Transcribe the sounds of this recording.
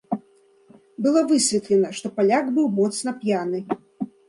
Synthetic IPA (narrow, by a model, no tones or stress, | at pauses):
bɨlˠɔvɨsʲvʲɛt̪lʲɛnɐʂt̪ɔpalʲaɡbɨwmɔt̪snɐpjanɨ